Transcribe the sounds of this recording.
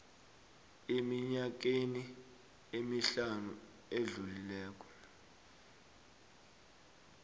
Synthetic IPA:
emiɲak̬eni | emiɬanu | eɮulilɛːk̬ʼɔ̥

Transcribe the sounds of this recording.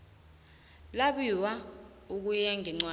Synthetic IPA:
laɓiwa | uk̬ujaŋʱɛŋ͡ǀwa

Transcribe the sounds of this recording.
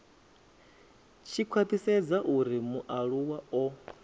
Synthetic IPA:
t͡ʃʰikʰwapʰisɛd͡zaʔuɾimuʔaɺuwaɔ

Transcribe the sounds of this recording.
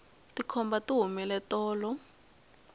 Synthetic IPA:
tikʰɔmbatiɦumɛlɛtʼɔːlɔ

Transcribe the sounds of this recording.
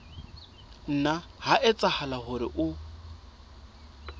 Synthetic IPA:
n̩nahaʔɪt͡sʼahalahʊɾɪ̰ʔʊ

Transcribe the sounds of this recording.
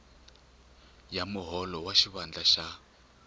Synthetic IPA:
jamʊɦɔlɔwaʃiβand͡ɮaʃa

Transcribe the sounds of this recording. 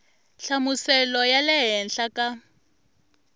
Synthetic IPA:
ɬamusɛlɔjalɛɦɛnɬaka

